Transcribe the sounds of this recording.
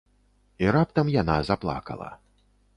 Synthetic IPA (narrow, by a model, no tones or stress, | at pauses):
iɾap̚t̪ɐmjanazaplˠa̰kɐ̰lˠɐ̰